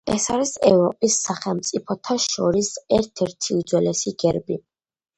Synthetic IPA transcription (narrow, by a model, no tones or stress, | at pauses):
ɛ̰saɾisɛvɾɔpʼisːaχɛlˠmt̪sʼipʰɔt̪ʰaʃɔɾisɛɾt̪ʰɛɾt̪ʰiud̪zwɛlɛsiɡɛɾbi